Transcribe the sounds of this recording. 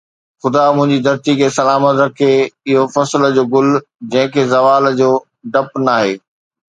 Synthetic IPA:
xʊd̪amʊ̃ɦɪ̃ɲd͡ʑid̪ɐɾt̪ikʰeːsɐlaːmət̪ɾɐkʰeɪɦofɐslə̆d͡ʑoːɡʊl | d͡ʑɐ̃ɦɪ̃kʰeːzɐʋaːld͡ʑoː | ɖɐpnaːɦeː

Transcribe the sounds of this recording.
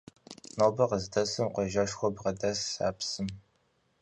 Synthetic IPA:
nobɐqəzdɐsɨmqʷɔʒɐʃxʷɔbʁɐdɐsːa̰ːpsɨm

